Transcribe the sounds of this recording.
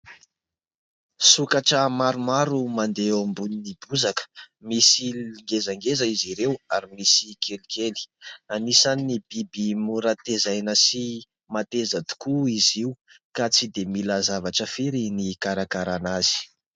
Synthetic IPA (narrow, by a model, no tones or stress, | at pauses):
sukaʈ͡ʂəmaɾumaɾumand̪eambuninib̪uzakə̥misiliŋɡezaŋɡezaiziɾewaɾimisikʰelikʰeli̥anisaninibibimuɾat̪ezajnəsi | mat̪ezad̪u̥kuiziukat͡sid̪emilazavaʈ͡ʂəfeɾinikaɾakaɾanazi̥